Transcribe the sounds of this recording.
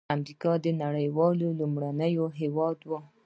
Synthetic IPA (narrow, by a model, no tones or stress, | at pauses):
amɾikɑd̪ənaɽəjwɑlolumɽanəjoɦewɑd̪wa